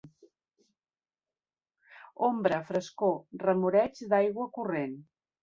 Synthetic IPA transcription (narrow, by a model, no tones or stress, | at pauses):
ombɾəfɾəskorəmuɾɛt͡ʃd̪ajɣwəkuren